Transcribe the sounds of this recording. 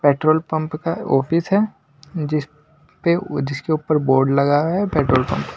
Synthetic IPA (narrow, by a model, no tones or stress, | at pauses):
peːʈɾoːlpɐ̃mpkaɔ̰ːfʰɪsɦɛː | d͡ʒɪs | ped͡ʒɪskeʊpəɾboːɾɖlɐɡaɛpeːʈɾoːlpɐ̰̃mp